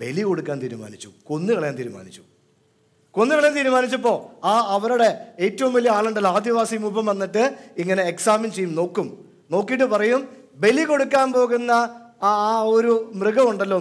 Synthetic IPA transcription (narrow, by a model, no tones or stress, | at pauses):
be̞liko̞ɽukːaːnt̪iːɾuma̰ːnit͡ɕːṵko̞nːɨkɐɭɐjaːnt̪iːɾuma̰ːnit͡ɕːu̥ | ko̞nːɨkɐɭɐjaːnt̪iːɾumaːnit͡ɕːɐp̬ːo̞ːaːɐʋɐɾuɽe̞eːtːɐʋumʋɐlijɐaːɭuɳɖelaːd̪iʋaːsimuːbɐmʋɐnːiʈːɨiŋːɐne̞ːksaːmint͡ɕejːumno̞ːkːum | no̞ːkːiːʈ̬ːɨpɐrɐjum | be̞liko̞ɽukːaːnpo̞ːɣunːɐː | oɾumrɨɣɐmuɳɖɐlːo̞ː